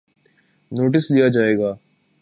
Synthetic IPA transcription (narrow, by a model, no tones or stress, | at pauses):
noːʈ̬ɪslijad͡ʒaːeːɡaː